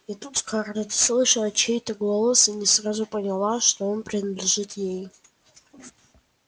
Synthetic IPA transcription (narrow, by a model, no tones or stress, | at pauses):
itʼutkʰardadslˠɨʂɨlˠat͡ʃʰejtʰʼaɡlˠalˠosɨnʲɪsrazupʼɐnʲɪlˠaʂto̞onpʼrʲinadlʲɪʐɨtʼʰje̞j